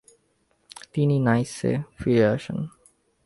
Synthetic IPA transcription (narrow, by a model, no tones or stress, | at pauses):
t̪ininajsḛfɹiəʃə̰̃n